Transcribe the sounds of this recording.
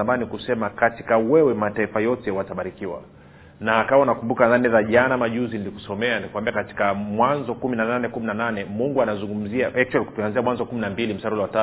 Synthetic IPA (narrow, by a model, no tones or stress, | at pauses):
amanikusɛmakati̥kawɛwɛmataifajɔtɛwataɓaɾikiwa̰ | naːkawaunakumbukanðanɛðaʄanamaʄuziniliku̥sɔmɛanikuwambiakati̥kamwanzɔkuminananɛkuminananɛmuŋɡuanazuŋɡum̩ziaʔɛk̚t͡ʃaliku̥tuanziamwanzɔkuminambilim̩saɾulawata